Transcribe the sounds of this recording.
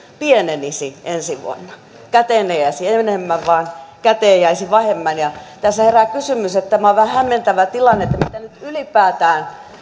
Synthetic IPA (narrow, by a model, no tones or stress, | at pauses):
pienenisiʔensiʋṵo̰nːɑ | kæt̪eːˑnejæisienemːæʋʋɑːnkæt̪eːjæisiʋɑhemːænjɑt̪æsːæherækysymyset̪t̪æmæoʋʋæhæhæmːent̪æʋæt̪ilɑnːeet̪ːæmit̪ænyt̪ylipæːt̪æːn